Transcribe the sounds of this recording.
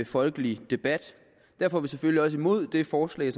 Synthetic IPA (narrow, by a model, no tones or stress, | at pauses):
efɒ̽lɡ̥əlid̥e̝b̥æd̥ | d̥æɐfɒʋisefølliɒ̽s̬əimo̝ð̞̰ˠd̥e̝fɒːslɛ̰ːsɒ